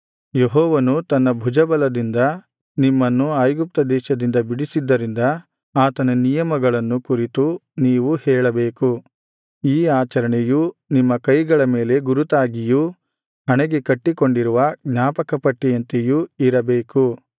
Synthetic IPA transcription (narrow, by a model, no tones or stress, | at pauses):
jeɦɔːʋɐnut̪ɐnːɐbʱud͡ʒɐbɐlɐd̪ind̪ɐ | nimːɐnːuaːjɡup̚t̪ɐd̪ɛːʃɐd̪ind̪ɐbiɽisid̪ːɐɾind̪ɐ | aːt̪ɐnɐnijɐmɐɡɐɭɐnːukuɾit̪uniːʋuhɛːɭɐbeːku | iːaːt͡ʃɐɾɐɳejunimːɐkɐjɡɐɭɐmeːle̞ɡuɾut̪aːɡiju | hɐɳɛɡekɐʈːiko̞ɳɖiɾuʋɐɡnaːpɐkɐpɐʈːijɐnt̪ejuiɾɐbeːku